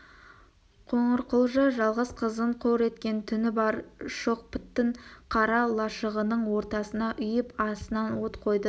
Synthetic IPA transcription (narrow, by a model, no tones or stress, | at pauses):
qʰoɴəɾqʰolˠʒɑʒɑlˠʁəzqʰəzəɴqʰoɾe̞t̪kʲe̞nt̪ʰʏnɪbɑɾʃoq̚pʰɪ̥t̪ːɪɴqʰɑɾɑlˠɑʃəʁənəɴwo̞ɾt̪ɑsənɑʔʏjɪpɑsənɑnwot̪qʰo̞jd̪ə